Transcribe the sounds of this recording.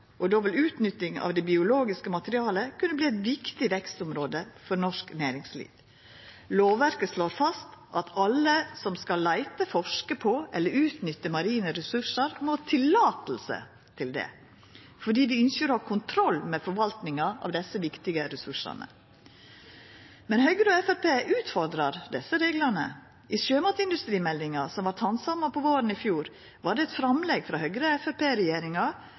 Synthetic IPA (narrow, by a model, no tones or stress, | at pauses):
ʔɔd̪oːʋɪlʉːt̪nʏt̪ːɪŋɑ̰ʋd̪ɛbɪʊloːɡɪskəmɑt̪əɾɪɑːləkʰʉnːəbliːɛt̪ʋɪkt̪ɪʋɛkst̪ʊmɾoːd̪əfɔɾnɔʂknæːɾɪŋslḭːʋ | loːʋæɾkəʂloːɾfɑst̪ʔɑt̪ʰɑlːəsɔmskɑlːæɪt̪əfɔʂkəpʰɔʔɛlːəɾʉːt̪nʏt̪ːəmɑɾiːnəɾɛsʉʂəɾmoːt̪ʰɪlːɑːt̪l̩sə̰ | t̪ʰɪld̪ɛ̰ | fɔɖiːʋɪʏnsəɾoːhɑɾkʰʊnt̪ʰɾɔlːmɛfɔɾʋɑlt̪nɪŋɑʔɑ̰ʋd̪ɛsːəʋɪkt̪ɪɡəɾɛsʉʂɑ̰nə̰ | mɛnhœʏɡɾəɔɛfɛɾpeːʔʉːt̪fɔɾd̪ɾɑɾd̪ɛsːəɾeːɡlɑnə̰ | ʔɪsøːmɑt̪ɪnd̪ʉst̪ɾiːmɛld̪ɪŋɑsɔmʋɑɾt̪hɑnsɑmːɑpʰɔʋoːɾənɪfjuːɾ | ʋɑːɖɛɛt̪fɾɑmlɛɡfɾɑhœʏɡɾəɛfɛpeːɾɛjeːɾɪŋɑ